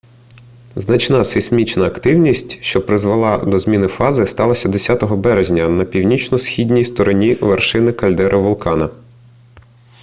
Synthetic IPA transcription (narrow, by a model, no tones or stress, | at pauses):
znɐt͡ʃnɑsɪsʲmʲit͡ʃnɐːkt̪ɪwnʲisʲtʲʃt͡ʃɔpɾɪzʋɐlˠɑd̪ɔzmʲinɪfɑzɪst̪ɑlˠɐsʲɐd̪esʲat̪ɔɦɔbɛɾezʲnʲɐnɐpʲiwnʲit͡ʃnɔsxʲid̪ʲnʲijst̪ɔɾɔnʲiʋerʃɪnɪkɐlʲd̪ɛɾʔɐʋʊlˠkɑnɐ